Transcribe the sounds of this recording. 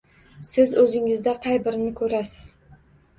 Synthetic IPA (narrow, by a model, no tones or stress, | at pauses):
sɪzɵzɪŋɪzd̪aqʰɑjbɪɾnɪkʰɵɾasɪ̥z̥